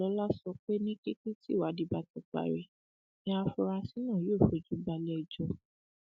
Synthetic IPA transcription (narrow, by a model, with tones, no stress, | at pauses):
ɔ˨˧˦la˦sɔ˧k͡pe˦nĩ˦ke˦ke˦ti˦˨wa˨˦di˧ba˧tɔ˨˧k͡pa̰˨ɾe˨ | nĩ˧˦a˧fu˧ɾa˧si˨˦nã˦˨joː˦˨fo˨d͡ʒu˨˦ba˧lɛ˦ɛ˨d͡ʒɔ˧